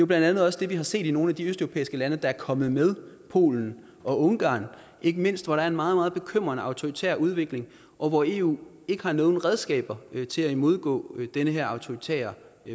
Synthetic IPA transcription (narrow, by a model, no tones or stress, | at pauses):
job̥lænd̥ænəð̞ˠɒ̽sd̥e̝ʋiɦɑ̈se̝̰ːd̥ino̝ːn̩æd̥iøsd̥œʊʁopḛːisɡ̥əlænəd̥ɑ̈æɐkʰɒ̽məð̩ˠmeð̞ˠ | pʰo̝̰ːln̩ | ɒ̽ɔ̽ŋɡ̥ɑ̰̈ːn | ʔe̝ɡ̥əme̝n̰sd̥ʋɒɾ̥ɑ̈æɐe̝nmɑ̈ːð̞̩ˠmɑːð̞̩ˠb̥e̝kʰøm̰ʁɐnəɑ̈ʊt͡sʰo̝ʁit͡sʰɛ̰ɐuð̞ˠʋe̝ɡ̥le̝ŋ | ʔɒ̽ʋɒe̝ːṵː | e̝ɡ̥əhɑ̈nɔ̽ːðn̩ʁɛðˠsɡ̥ɛ̰ːb̥ɐt͡sʰe̝læimo̝ð̞ˠɡ̥ɔ̰̽ːd̥enəɦæɐ̰ɑ̈ʊt͡sʰo̝ʁit͡sʰḛːɐ